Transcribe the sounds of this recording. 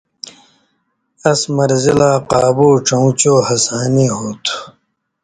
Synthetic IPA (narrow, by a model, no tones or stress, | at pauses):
ɐsmɐɾzilaːqaːbuːʈ͡ʂɐũt͡ɕoːhɐsaːneːɦoːt̪ʰu̥